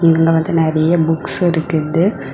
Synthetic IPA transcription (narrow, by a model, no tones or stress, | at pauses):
ɪŋɡɐŋɡɐʋɐnd̪ɯnɛɾɐjɐbʊksɪɾɯkːɯðɯ